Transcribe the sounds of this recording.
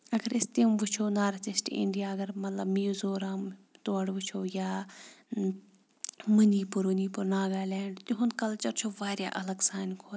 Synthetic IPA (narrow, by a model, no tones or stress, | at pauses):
ɐɡɐɾist̪imʋʊt͡ʃʰoːnaːɾɐt͡ʃisʈḭɳɖijaːɐɡɐɾmɐt̪lɐbmijuzoːɾaːmt̪oɐɽʋut͡ʃʰoːjaː | mɨniːpuɾuniːpuɾnaːɡaːlɛːɳɖt̪iɦʊnkɐlt͡ʃɐɾt͡ʃʰoːʋaːɾʲja̰ːʔɐlɐɡsaːnkʰoːt̪